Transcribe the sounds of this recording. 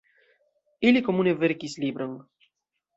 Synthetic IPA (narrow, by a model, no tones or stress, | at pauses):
ilikomuneveɾkislibɾaŋ